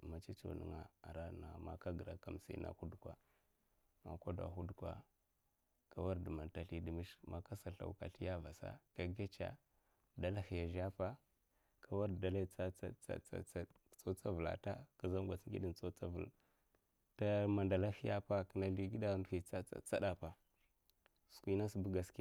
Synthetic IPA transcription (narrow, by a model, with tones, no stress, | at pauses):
ma˨t͡ʃa˦t͡ʃo̰˨nə̰˦ŋa̰˨a˨ɾa˦na˨ma̰˦ka˦ɡə˨ɾa˨ka̰˨m˨sḭ˨˦na̰˨hu˦dkwa̰˨ | ma̰˨kʷa˦da̰˨xu˦dkʷa̰˨ | ka˦wa˦ɾdə˨ma˨nta˨ɬi˦di˨mi˦ʃma˦ka˦sa˨ɬa̰˨ka̰˨ɬi˦ja˦va˨sa̰˦ka˨ɡa˦t͡ʃa̰˦ | da˦la˦xi˨ja˨ʒa˦pa˦ | kʰa˨wa˦ɾda˨la˦t͡sa˦a̰˨a̰˨˦ | t͡so˦t͡sa˦və˨la̰˨ta˦ka˨za˦mɡʷa˨t͡si˦i˦di˨nt͡so˦t͡sa˦vl | ta˦ma˨nda˨la˦hi˦ja˦pa˦ki˦na˦li˦ɡi˦da˦˨ndu˦xi˨t͡sa˦a̰˨t͡sa˦da˨pa˨ | su̥˨kʷi˦na˦si˨bu˦ɡa˨ski˦a˨